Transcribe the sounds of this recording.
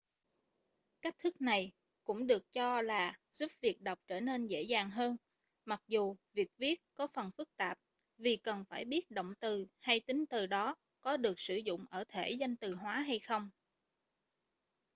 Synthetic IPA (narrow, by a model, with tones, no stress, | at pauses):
ka˦˥k̚t̪ʰɨ˦˥k̚na˨˩j | kʊ̰˧˥ŋ͡mɗɨ˨˩ək̚t͡ɕɔ˧laː˨˩z̥u˦˥p̚vi˨˩ək̚ɗa˨˩wk͡p̚t͡ɕəː˧˩ne˧nzḛ˧˥zaː˨˩ŋɦəː˧n | ma˨˩k̚zu˨˩vi˨˩ək̚vi˦˥ət̚kɔ˨˦fə˨˩nfɨ˦˥k̚t̪aː˨˩p̚ | vi˨˩kə˨˩nfaː˧˩jɓi˦˥ət̚ɗo̰˧˨wŋ͡mt̪ɨ˨˩ha˧jt̪ï˨˦ŋ̟t̪ɨ˨˩ɗɔ˨˦ | kɔ˨˦ɗɨ˨˩ək̚sɨ˧˩zʊ̰˧˨ŋ͡mʔəː˧˩t̪ʰe˧˩za˧jŋ̟t̪ɨ˨˩ɦwaː˨˦ɦa˧jxə˧wŋ͡m